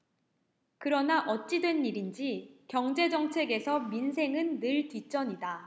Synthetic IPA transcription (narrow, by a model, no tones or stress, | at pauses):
kɯɾʌnaʔʌt̚t͡ɕ͈idwe̞nːiɾind͡ʑikjʌŋd͡ʑe̞d͡ʑʌŋt͡ɕʰe̞ɡe̞sʰʌminsʰe̞ŋɯnːɯɭtit͡ɕ͈ʌɲida